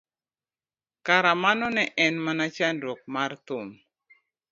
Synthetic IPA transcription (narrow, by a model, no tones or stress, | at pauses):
kaɾamanɔnɛʔɛnmanat͡ʃanɾok̚mart̪ʊm